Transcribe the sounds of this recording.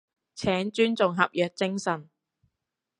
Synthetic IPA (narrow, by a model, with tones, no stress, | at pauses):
t͡sʰɛː˨˥ŋt͡ʃyː˥nt͡sʊ˨ŋɦɐ˨p̚jœː˨k̚t͡sɪ˥ŋsɐ˨˩n